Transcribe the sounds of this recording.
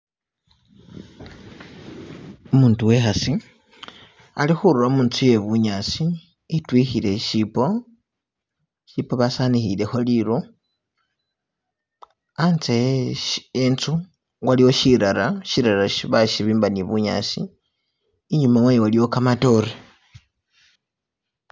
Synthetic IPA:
umuːntuwe̞xasi | a̰lixuɾuomuːnt͡suje̞βuɲat͡siː | twixile̞ʃipo | ʃipoβasanixile̞xo̞liɾu | ant͡se | ent͡su | waliwo̞ʃiɾaɾaʃiɾaɾaʃiβaʃiβiːmbaniβuɲa̰ːsiː | ɲumawejiwaliwo̞kamato̞ɾe

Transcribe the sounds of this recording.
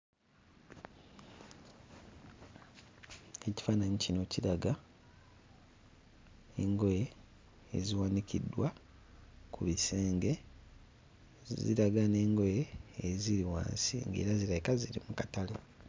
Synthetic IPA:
eci̥faːnaɲicino̞ciɾaɡa | eŋɡo̞jḛː | ziwanicidːwa | kuβiseːŋɡe̞ | zḭɾaɡane̞ːŋɡo̞jeːziɾiwa̰ːnsḭːŋɡḛːɾaziɾajikaziɾimukatale

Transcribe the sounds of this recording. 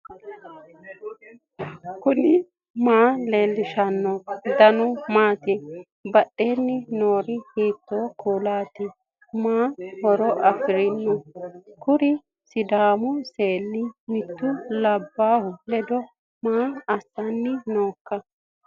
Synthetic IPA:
kʊnɪ | maːleːlːɪʃɐnːɔd̪ɐnɔmaːt̪ɪ | bɐɗeːnːɪnoːɾɪhiːt̪ːoːkʰuːlaːt̪ɪ | maːhɔɾɔʔɐfɪɾɪnːɔkʊɾɪ | sɪd̪aːmʊseːlːɪnɪt̪ːʊlɐbːaːhʊlɛd̪ɔ | maːɐsːɐnːɪnoːkːɐ

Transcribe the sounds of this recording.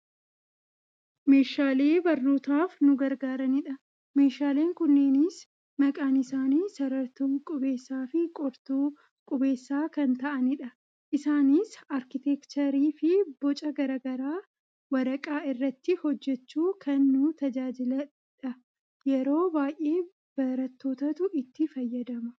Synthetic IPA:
me̞ːʃaːle̞ːbɐrnuːt̪aːfnʊɡɐɾɡaːɾɐnɪᶑɐ | me̞ːʃaːle̞ːŋkʊnːeːnɪs | mɐkʼaːnɪsaːniːsɐɾɐɾt̪uːkʼʊbe̞ːsːaːfɪkʼɔɾt̪uː | kʼʊbe̞ːsːaːkɐnt̪ɐʔɐnɪᶑɐ | ʔɪsaːniːsɐɾkɪt̪ɛkt͡ʃ̪ɐɾiːfɪbɔt͡ʃʼɐɡɐɾɐːɡɐɾaː | wɐɾɐkʼaːɪrːɐt̪ːɪhɔd͡ʒːɛt͡ʃːuːkʰɐnːʊt̪ɐd͡ʒaːd͡ʒɪlɐ | ᶑɐ | jɛɾo̞ːbaːjʔe̞ː | b̥ɐɾɐt̪ːo̞ːt̪ɐt̪ʊɪt̪ːɪfɐjːɐd̪ɐmɐ

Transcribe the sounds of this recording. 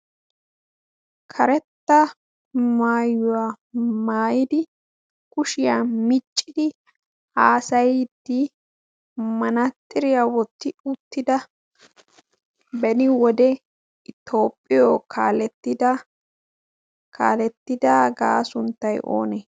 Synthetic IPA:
kʰɐɾɛt̪ːɐ | maːjːʊwa | maːjɪd̪ɪ | kʊʃɪjamɪt͡ʃʼːɪd̪ɪ | aːsɐjd̪ːi | mɐnɐt̪ːɪɾɪjawɔt̪ːɪʊt̪ːɪd̪ɐ | bɛnɪwɔd̪ɛ | ɪt̪ʰo̞ːpʼːɪjoːkʰaːlɛt̪ːɪd̪ | kʰa̰ːlɛt̪ːɪd̪aːɡa̰ːsʊnt̪ːɐjʔo̰ːnɛ

